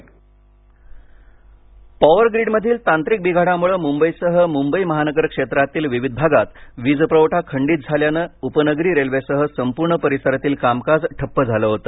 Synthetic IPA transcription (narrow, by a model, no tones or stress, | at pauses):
paʋəɾɡɾiɖməd̪ʱiːlt̪ãnt̪ɾik̚biɡʱaɽamuɭəmumbəjsəɦəmumbəiməɦanəɡəɾkʂet̪ɾat̪iːlʋiʋid̪̚ʱbʱaɡat̪ʋid͡zpɾəʋʈʰakʰəɳɖiːt̪̚d͡zʱaljanəːupənəɡɾiːɾelʋesəɦəsəmpuɾɳəpəɾisəɾat̪iːlkamkad͡zʈʰəpːəd͡zʱaləːɦot̪ə